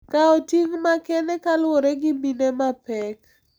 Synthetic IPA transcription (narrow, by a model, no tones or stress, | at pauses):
kaɔtiŋmakɛnɛkalwoɾɛɡɪbinɛmapɛk